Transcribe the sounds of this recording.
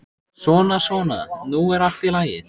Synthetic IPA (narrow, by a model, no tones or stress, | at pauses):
svɔːnasvɔːna̰ðnuɛɾaft̪ilaːjɪ̰